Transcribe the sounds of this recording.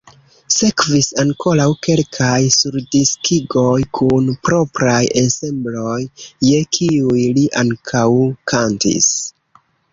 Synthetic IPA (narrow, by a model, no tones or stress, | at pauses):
se̞kvisaŋko̞lawke̞lkʰajsuɾdiskiɡo̞jkʰunpɾo̞pɾajese̞mblo̞jːe̞kʰiujliʔaŋkʰawkʰantḭs